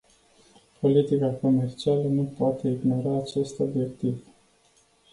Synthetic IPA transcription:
pʰo̞lit̪ikako̞me̞rt͡ʃialənupoat̪e̞iɡno̞ɾaːt͡ʃe̞st̪o̞bje̞k̚t̪iv

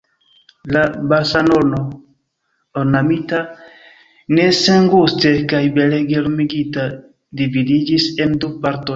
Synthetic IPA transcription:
labasanono | onamita | ne̞seŋɡuste̞kajbeleɡelumiɡita | dividid͡ʒisendupaɾtoj

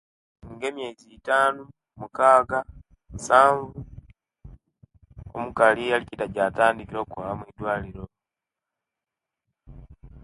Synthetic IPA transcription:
ŋɡe̞ːmjeɟiːtaːnu | mukaːɡa | musaːɱvu | o̰mukalialicitaɟaːtaːndikiɾo̞ːkuhaamwiːdwaːliɾo̞

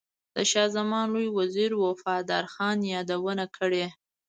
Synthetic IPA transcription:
d̪̥əʃɑzamɑnlojwaziɾwofɑd̪ɑ̰ɾxɑnjɑd̪awənakʰəɽe

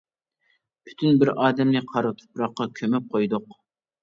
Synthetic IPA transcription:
pʰy̥t̪ʰynbɪɾɑːd̪ɛmnɨqʰɑɾɨt̪ʰʊ̥pɾɑqːɑkʲʰømɛp̚qʰojd̪ʊq

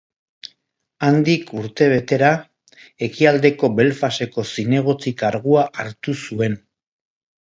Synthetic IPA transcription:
and̪ikuɾt̪e̞β̞e̞t̪e̞ɾa | e̞kiald̪e̞ko̞be̞lfase̞ko̞sine̞ɣ̞o̞t͡sikaɾɣ̞uaʔaɾt̪usue̞n

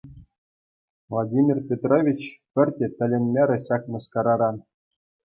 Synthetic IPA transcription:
vlˠadʲimʲirpʲet̪rovʲit͡ɕpʲɘ̆rʲtʲɘ̆t̪ʲɘ̆lʲenʲmʲeɾʲɘ̆ɕɑkmɤ̆skɑɾɑɾɑ

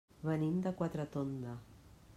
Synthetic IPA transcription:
βənind̪akwat̪ɾat̪ond̪a

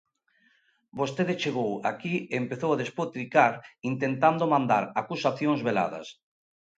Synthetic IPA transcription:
bost̪eðet͡ʃeɣ̞owa̰kiempeθowaðespot̪ɾikaɾint̪ent̪and̪omãnd̪a̰ɾakusaθjoŋzβela̰ðɐ̰s

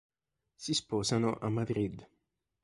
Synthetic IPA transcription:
sispɔːsanoʔamːad̪ɾid̪

